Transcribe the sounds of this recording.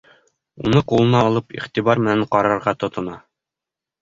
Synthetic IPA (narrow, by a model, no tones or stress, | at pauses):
unɤqulˠɤ̆nɑːlˠɤpḭχt̪ibɑɾmɘ̆næɴqɒɾɑɾʁɑt̪ŏt̪ŏnɑ